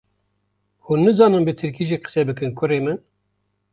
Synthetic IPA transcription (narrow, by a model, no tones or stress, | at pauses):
huːnːɨzɑːnɨmbɨt̪ʰɨɾkiːʒiːqɨ̥sɛbɨkɨnkʰʊreːmɨn